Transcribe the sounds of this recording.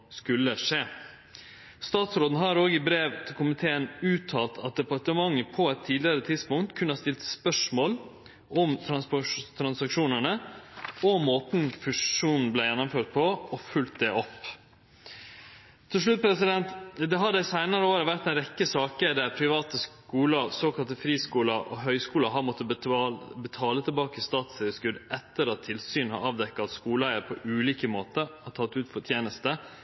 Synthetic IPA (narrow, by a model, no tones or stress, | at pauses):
skʉlːəʂeː | st̪ɑːt̪sɾoːd̪n̩ɦɑɾoːɡəɪbɾeːʋt̪ʰɪlkʰʊmɪt̪ʰeːənʉːt̪ʰːɑːlt̪ʰɑt̪̚d̪ɛpɑʈəmɑŋːəpʰɔɛt̪ʰːiːd̪lɪəɾət̪ʰɪd̪spʊŋt̪kʰʉnːəhɑst̪ɪlt̪spœʂmoːl | ʔɔmt̪ʰɾɑt̪ʰɾɑnsɑkʂuːnəɳə | ɔmoːt̪n̩fʉʂuːnn̩blæɪjɛnːɔmføːʈ̚pʰɔɔfʉlt̪̚d̪ɛʔɔpː | t̪ʰɪlʂ̬ɭʉt̪̚pʰɾɛsɪd̪ɛnt̪d̪ɛɦɑd̪æɪsæɪnɑɾəoːɾəʋæɾt̪d̪ɛnɾɛkːəsɑːkəɾd̪æɾpʰɾɪʋɑːt̪əskuːlɑsoːkʰɑlt̪əfɾiːskuːlɑʔɔɦœʏskuːlɑɦɑɾmɔt̪ːə | bət̪ʰɑːlət̪ʰɪlbɑːkəst̪ɑːt̪sɛəskʉd̪ɛt̪ːəɾɑt̪ʰːɪlsyːnhɑ̰ɾɑːʋd̪ɛkːɑt̪skuːləæɪəɾpʰɔʔʉːliːkəmoːt̪əɾɑt̪ʰɑt̪ːʉːt̪fɔt̪ʰjeːnəst̪ə